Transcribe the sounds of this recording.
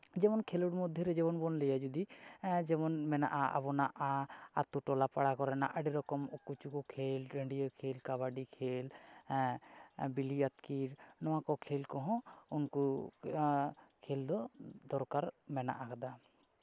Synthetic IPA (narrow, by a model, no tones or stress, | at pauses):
d͡ʒɛmɔnkʰeluɽmɔd̪ʱːjɔɾɛd͡ʒɛbɔnbɔnlɛjad͡ʒud̪id͡ʒɛmɔnmɛna̰ʔaa̰bɔnaʔaa̰t̪uʈɔlapaɽakɔɾɛna̰ʔaɖiɾɔkɔmɔkut͡ʃukɔkʰelɖəɳɖijɔkʰelkaβaɖikʰel | biliat̪kiɾnɔwakɔkʰelkɔɦɔ̃unku | kʰeld̪ɔd̪ɔɾkaɾmɛna̰ʔakad̪a